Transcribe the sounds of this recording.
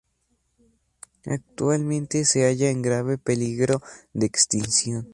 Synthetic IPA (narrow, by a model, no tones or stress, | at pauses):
a̰k̚t̪walmẽnt̪eseaʝaeŋɡɾaβepeliɣɾod̪eːkst̪insjon